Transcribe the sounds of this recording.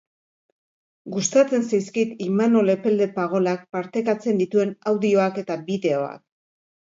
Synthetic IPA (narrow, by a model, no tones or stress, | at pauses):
ɡust̪at͡se̞nsajskat̪imano̞le̞pe̞ld̪e̞paɣ̞o̞lak̚paɾt̪e̞kat͡se̞nd̪it̪ue̞nawðio̞ake̞t̪abiðe̞o̞a̰k̚